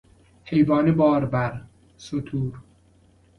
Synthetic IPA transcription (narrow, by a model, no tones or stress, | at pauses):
hejvɒːnebɒːɾbæɾ | sot̪ʰuːɾ